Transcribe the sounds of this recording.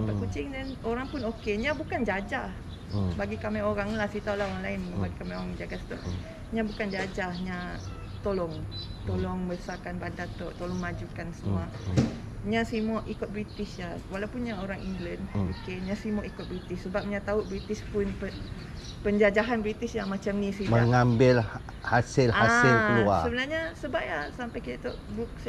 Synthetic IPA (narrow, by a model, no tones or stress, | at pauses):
apat̪̚kut͡ʃɪŋdɛnoɾaŋpʊnokeɲãbukand͡ʒad͡ʒah | baɡikamɛoɾaŋlahsit̪aulahoɣaŋlaɪnbaɡikamaoɾaŋid͡ʒaɡast̪ɔʔ | ɲãbukand͡ʒad͡ʒahɲã | t̪olɔŋt̪olɔŋbəsakanbandat̪ɔʔt̪olɔŋmad͡ʒukansəmua | ɲãsimɔʔikʊt̪̚bɾit̪isjawalawpunɲaoɾaŋiŋɡlənokeɲãsimɔʔikʊt̪̚bɾit̪issəbap̚ɲat̪auʔbɾit̪ispʊnpə | pəɲd͡ʒad͡ʒaɦanbɾit̪isjamat͡ʃamnĩsiməŋambɪl | hasɪlahasɪlkəlua̰səbənaɾɲasəbap̚jasampajkit̪at̪ɔʔbɾuk̚s